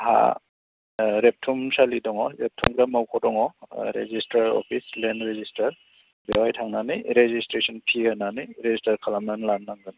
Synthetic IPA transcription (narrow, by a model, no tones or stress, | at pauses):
ha̰ | ɾep̚tʰumsalidɔŋɔɾep̚tʰumkɾamawkʰɔdɔŋɔɾḛzistaɾɔ̰pʰislenɾezistaɾ | bewajtʰaŋnaniɾezistɾesɔnpʰihananiɾezistʰaɾkʰalamnanlanːaŋɡɯn